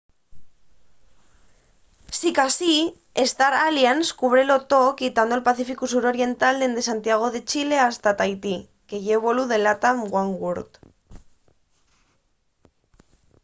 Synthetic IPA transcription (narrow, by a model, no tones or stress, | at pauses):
sikasi | est̪aɾalianskuβɾelo̞t̪okit̪and̪oelpaθifikusuɾo̞ɾie̞nt̪ald̪e̞nd̪esant̪iaɣ̞o̞ðe̞t͡ʃile̞ast̪at̪ajt̪i | ke̞jeβ̞o̞luðe̞lat̪amɡwaŋɡuɾt̪